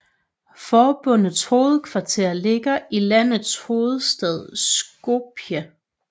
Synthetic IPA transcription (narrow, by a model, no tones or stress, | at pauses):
fɒːb̥ɔ̽n̰əðˠsho̝ːð̞̩ˠkʰʋɑ̈t͡sʰe̝̰ɐle̝ɡ̥ɐilæn̰ð̩ˠsho̝ːð̞̩ˠsd̥ɛð̞ˠsɡ̥ob̥ʰjə